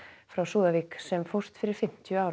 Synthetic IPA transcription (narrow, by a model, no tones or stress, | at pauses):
fɾawsuːðaviːksɛmfɔwr̥t̪fɪɾɪɾfɪm̥t̪jʏaːw